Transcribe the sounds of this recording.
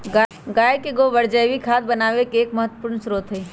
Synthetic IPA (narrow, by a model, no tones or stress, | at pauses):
ɡaːjkeɡoʋəɾd͡ʒəjʋikʰaːt̪̚bɐnaːʋekeːkməɦət̪ːwəpuːɾnsɾoːt̪ʰɦeː